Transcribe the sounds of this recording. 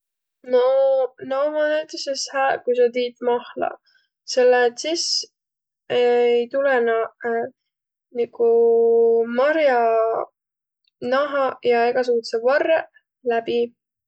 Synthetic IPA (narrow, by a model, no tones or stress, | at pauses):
nonɑwmɑnæt̪eseshæːkujsɑt̪iːt̪mɑhlɑ̰ | selːet̪sis | ejt̪ulɛnɑ | niku | mɑɾjɑ | nɑɦɑjɑe̞ɡ̥ɑs̬ukut̪sevɑrːe | læbi